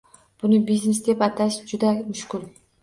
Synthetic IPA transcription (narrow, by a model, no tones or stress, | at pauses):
b̥unubiznesd̪epɑt̪aʃd͡ʒud̪amʊʃkulʲ